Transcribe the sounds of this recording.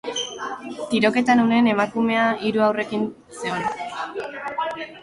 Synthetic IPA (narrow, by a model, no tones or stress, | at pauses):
t̪iɾo̞ke̞t̪anune̞ne̞makume̞aiɾuawre̞kin | se̞o̞na